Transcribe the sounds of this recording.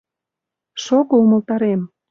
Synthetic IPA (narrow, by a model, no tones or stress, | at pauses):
ʃoɣoumə̆lt̪ɑɾem